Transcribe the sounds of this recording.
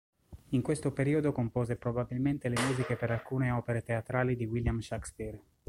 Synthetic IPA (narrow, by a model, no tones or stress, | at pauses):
iŋkwest̪opeɾiːod̪okompoːzepɾobabilment̪elemuːzikepeɾalkuːneɔːpeɾet̪eat̪ɾaːlid̪iwiljamʃakspir